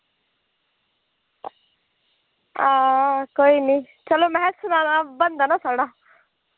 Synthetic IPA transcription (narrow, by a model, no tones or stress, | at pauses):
aːkoːini | t͡ʃɐlomɛɦɛsʊnaːnabənd̪anasaːɽaː